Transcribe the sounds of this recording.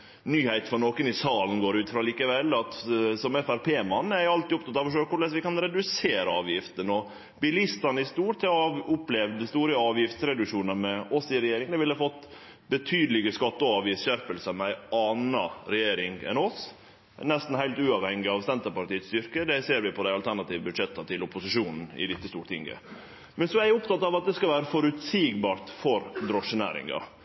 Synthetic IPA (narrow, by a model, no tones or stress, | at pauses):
nyːhæɪt̪fɾɑnoːkənɪsɑːln̩ɡoːɾʉːt̪fɾɑliːkəʋɛlːɑt̪sɔmɛfæɾpʰeːmɑnːæɾjɑlt̪ɪʊp̚t̪ʰɑt̪ɑʋɔʂøːəkʊɭɛsʋɪkɑnɾɛd̪ʉseːɾəɑːʋjɪft̪ənɔ | bɪlɪst̪ɑnəɪst̪uːʈ̪sɛːʊplɛʋd̪st̪uːɾəəɑːʋjɪft̪sɾɛd̪ʉʂuːnəmɛɔsɪɾɛjeːɾɪŋd̪ɛʋɪlːəfɔt̪ː | bət̪ʰyːd̪lɪɡəskɑt̪ːəɔɑːʋjɪsɕæɾpəlsəmɛæɪɑːnɑɾɛjeːɾɪŋɛ̰nɔs | nɛst̪n̩hæɪt̪ʉːɑʋhɛŋːɪɑʋsɛnt̪əpɑɾʈ̪iːət̪st̪ʏɾkəd̪ɛseːɾʋɪpʰɔd̪æɪɑlt̪ʰæɳɑt̪iːʋəbʉd̪ʂɛt̪ːɑt̪ʰɪlʊpʊsɪʂuːnn̩ɪ̰d̪ɪt̪ːəst̪ṵːʈt̪ʰɪ̰ŋɡə̰ | mɛnsɔæɪʊpt̪ɑt̪ːɑːʋɑt̪̚d̪ɛskɑʋæːɾəfɔɾʉt̪siːɡbɑːɾt̪fɔɾd̪ɾɔʂːənæ̰ːɾɪ̰ŋɑ̰